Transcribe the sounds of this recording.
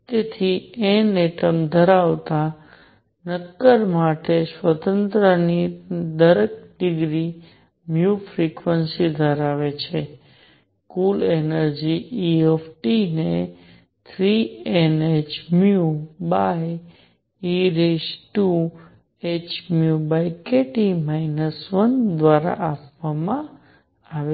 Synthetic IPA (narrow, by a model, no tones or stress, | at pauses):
t̪et̪ʰieneʈəmd̪ʱəɾaʋt̪a | nəkːəɾmaʈesʋət̪ənt̪ɾənid̪əɾek̚ɖɪɡɾi | mjufɾikʋənsid̪ʱəɾaʋet͡ʃʰe | kulenəɾd͡ʒiiefʈine | t̪ʰɾienet͡ʃmjubaj | iɾesʈu | et͡ʃmjubajkeʈimajnəsʋənd̪ʋaɾa̰ʔapʋamã | aʋe